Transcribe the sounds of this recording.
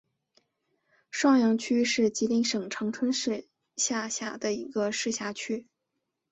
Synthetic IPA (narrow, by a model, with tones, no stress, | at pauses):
ʂwɑ˥˧ŋjɑ˧˥ŋt͡ɕʰy˥ʂɻ̩˥˩t͡ɕi˧˥li˧˥ŋʂɤ˨˩ŋʈ͡ʂʰɑ˧˥ŋʈ͡ʂʰwə˥nʂɻ̩˥˧ | ɕja˥˩ɕja̰˨˩d̪ə˦i˧˥ɡə˧ʂɻ̩˥˩ɕja˧˥t͡ɕʰy˥